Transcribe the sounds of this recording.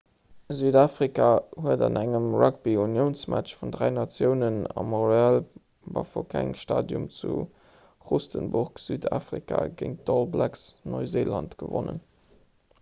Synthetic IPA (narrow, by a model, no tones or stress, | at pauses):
zyːdaːfʁikʰahuədɑnʔæŋəmrɑk̚biunjəʊnsmæt͡ʃfundʁæɪnɑt͡sjəʊnənɑmɔʁeal | bɑfokʰæŋʃtaːdjumt͡su | ʁustənbʊʁkz̥yːdaːfʁikʰa̰ɡəŋ̚dɔlblæksnoɪzeːlɑntɡ̥əvonə̰n